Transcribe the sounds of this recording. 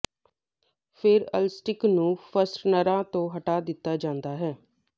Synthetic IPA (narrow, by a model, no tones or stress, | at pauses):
pʰɪɾəlsʈɪknũːpʰəsʈnəɾãːt̪õːɦəʈaːd̪ɪt̪ːaːd͡ʒãːnd̪aːɦɛː